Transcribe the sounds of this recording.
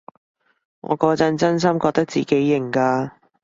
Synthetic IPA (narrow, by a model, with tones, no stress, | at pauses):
ŋɔ̰ː˨˧kɔː˧t͡sɐ˧nt͡sɐ˥ns̬ɐ˥mkɔː˧k̚t̪ɐ˥k̚t͡sḭː˨˩ke˨˥jːɪ˨˩ŋkaː˧